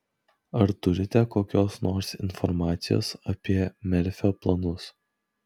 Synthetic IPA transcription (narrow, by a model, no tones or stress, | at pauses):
ɐɾt̪ʊɾʲɪt̪ʲɛkoːkʲoːsnoːɾsɪnfɔɾmɑːt̪sʲɪjo̰ːsɐpʲiɛmʲɛɾʲfʲoːplˠɐnʊs